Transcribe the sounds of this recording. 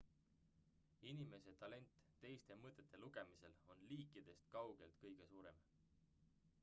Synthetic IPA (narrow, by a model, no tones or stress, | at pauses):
inime̞se̞t̪ɑle̞nʲt̪ːe̞jst̪e̞mɤt̪ːˑet̪ːˑe̞luɡ̥e̞mise̞lo̞nliːkːˑid̪̥e̞st̪kɑwɡ̥e̞lt̪kɤjɡ̥e̞suːɾe̞m